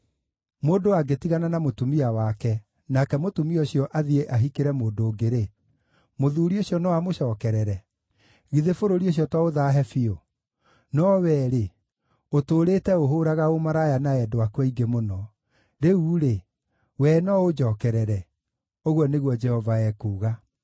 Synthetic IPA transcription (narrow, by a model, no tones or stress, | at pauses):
moːdowaɡetiɣananamotumiawakɛ | nakɛmotumiɔɕiɔʔaðieʔaɦikeɾɛmoːndoːɡeɾe | moðuːɾioɕjɔnɔwamoɕɔːkɛɾɛɾɛ | ɣiðefoɾoɾioɕ̬jɔtwaoðaːɦɛfio | nɔwɛːɾe | otoːɾeːtɛoɦoɾaɣaomaɾajanaɛdoakwaiɡemonɔ | ɾeuːɾe | wɛːnɔod͡ʒɔːkɛɾɛɾɛ | oɣɔneɣwɔd͡ʒɛhɔvaɛːkuːɣa